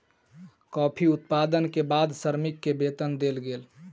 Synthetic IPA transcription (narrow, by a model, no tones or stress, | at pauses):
kɔːpʰiʊt̪paːd̪ənkebaːd̪səɾmikːebeːt̪ənd̪elɡeːl